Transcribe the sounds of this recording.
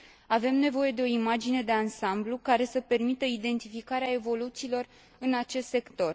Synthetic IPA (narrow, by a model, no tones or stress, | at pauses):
ave̞mne̞vo̞je̞d̪e̞o̞imad͡ʒine̞d̪e̞ansamblukaɾe̞səpe̞rmit̪əid̪e̞nt̪ifikaɾeae̞vo̞lut̪siːlo̞r | ɨnat͡ʃe̞st̪se̞kt̪o̞r